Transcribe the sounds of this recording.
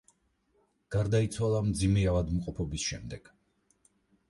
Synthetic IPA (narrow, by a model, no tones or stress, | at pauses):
ɡ̥aɾd̪ait̪sʰwalˠamd̪zimɛavad̪mqʼɔpʰɔbisʃɛmd̪ɛɡ̥